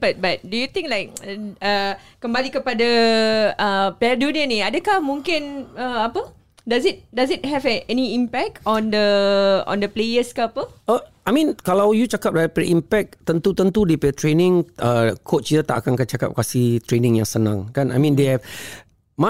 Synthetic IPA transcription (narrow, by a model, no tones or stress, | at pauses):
bat̚bat̚dujut̪ĩŋklajk̚ə | kəmbalikəpada | əpɛdunəniadəkahmũŋkɪnəapə | dazit̚dazit̚ɦɛvɛɛniimpɛk̚tʰɔ̃ndəɔ̰̃ndəplejəskapəəamĩnkalawjut͡ʃakap̚daapɾɛʔimpɛk̚t̪ənt̪ut̪ənt̪udepɛət̪ɾenɪ̃ŋəkʰot͡ʃjət̪a̰ʔakankat͡ʃaka̰p̚kasiht̪ɾenɪ̃ŋjaŋsənã̰ŋkanajmĩndehɛv | ma